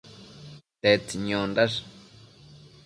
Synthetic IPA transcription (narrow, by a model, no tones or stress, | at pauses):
t̪et͡siɲõndaʂ